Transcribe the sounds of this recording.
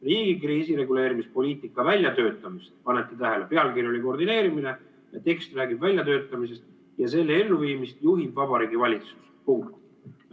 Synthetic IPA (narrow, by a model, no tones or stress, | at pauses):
riːɡ̥ikriːsiɾe̞ɡule̞ːɾimispo̞lʲiːt̪ːˑikːˑɑvælʲjɑt̪ø̞ːt̪ːˑɑmist̪pɑnet̪ːˑit̪æɦelepe̞ɑlkirjo̞lʲiko̞rd̪ine̞ːɾimine̞ | jɑt̪e̞kst̪ræːɡibvælʲjɑt̪ø̞ːt̪ːˑɑmise̞st̪̚ | jɑse̞lːee̞lːuviːmist̪juɦid̪vɑb̥ɑɾiːɡivɑlʲit̪su̥s | puŋk̚t̪t̪